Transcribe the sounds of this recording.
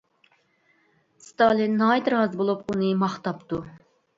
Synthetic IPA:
st̪ɑlˠinːɑjt̪ɾɦɑzbolˠupunɨmɑχt̪ɑpt̪u

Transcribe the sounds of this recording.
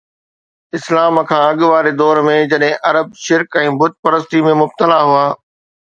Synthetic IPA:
ɪslaːmkʰãːɐɠʋaːɾed̪ɔːɾmẽd͡ʑɐɗɦɪ̃ʔɐɾəb̚ʃɪɾkɛ̃ːbʊd̪̚pɐɾəst̪imẽmʊb̚t̪əlaɦuaː

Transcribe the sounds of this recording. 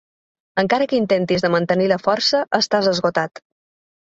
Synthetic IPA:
əŋkaɾəkəint̪ent̪izðəmənt̪əniləfɔrsəʔəst̪azəzɣot̪at̪

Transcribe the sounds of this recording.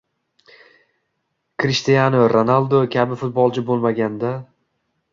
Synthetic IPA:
kʰɾɪʃt̪ijanoɾonalˠd̪okʲʰabɪfʊt̪̚bɒlˠt͡ʃʰɪbolˠmaɡʲand̪a

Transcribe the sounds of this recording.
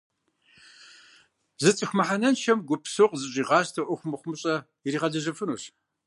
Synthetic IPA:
zɨt͡sʼɨxʷmɐħanɐnʃɐmɡʷʊpsoqzɨɕʼiːʁɑːstʰɐʔʷʊxʷʊmɨχʷʊmɨɕʼɐ | iriːʁɐɮɐʒɐfɨnuːɕ

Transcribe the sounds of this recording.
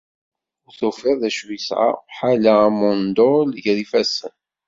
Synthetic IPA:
ʊθʊfɪððæʃwisʕa̰ħalaæmɔnd̪ʊlʝðifæsən

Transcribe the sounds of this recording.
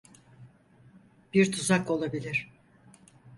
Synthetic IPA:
b̥iɾt̪ʰuzakolˠabilʲiɾ̥

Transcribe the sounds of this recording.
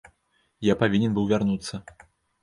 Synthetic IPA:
japavʲinʲɛnbɨwvʲarnut̪sːɐ

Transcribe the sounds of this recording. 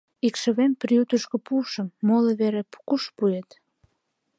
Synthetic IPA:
ikʃə̆βemprijut̪əʃkŏpuʃəmːoloβeɾepu̥kuʃpuet̪

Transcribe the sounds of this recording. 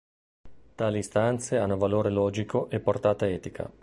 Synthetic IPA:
t̪aːliːst̪ant̪seanːovaloːɾelɔːd͡ʒikʰoʔepːort̪aːt̪aɛːt̪ikʰa̰

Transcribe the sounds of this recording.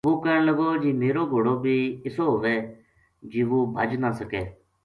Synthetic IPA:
ʋuːkəɾəɳləɡoːd͡ʒiːmeːɾoːɡʱoːɽoːbʱiːɪsoːɦoːʋeː | d͡ʒiːʋoːbʱəd͡ʒnaːsəkɛː

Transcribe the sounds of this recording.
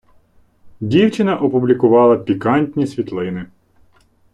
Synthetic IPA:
dʲiwt͡ʃɪnɐʔɔpublʲikʊʋɑlˠɐpʲikɑnʲtʲnʲisʲʋʲit̪lˠɪnɪ

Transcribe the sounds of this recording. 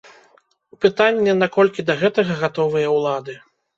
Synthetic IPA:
pɨt̪anʲːɛnakɔlʲkʲid̪ɐɣɛt̪ɐɣɐɣat̪ɔvɨjɐwlˠad̪ɨ

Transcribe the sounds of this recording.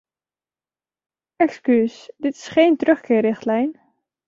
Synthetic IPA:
ʔɛkskysdɪtɪ̥sχejntrɵχkɪːrɪχtlɛjn

